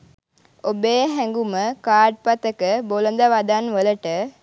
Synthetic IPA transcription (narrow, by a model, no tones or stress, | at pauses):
obeːɦɛŋɡuməkaːɖ̚pat̪əkəbolənd̪aʋad̪anʋələʈə